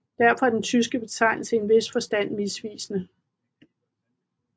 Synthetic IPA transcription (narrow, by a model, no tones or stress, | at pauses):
d̥æɐfɒ̽æɐd̥ent͡sʰys̬ɡ̥əb̥e̝t͡sʰɑ̈ɪ̰nl̩səe̝nʋe̝sfɒ̽sd̥æn̰ʋisʋḭːsnə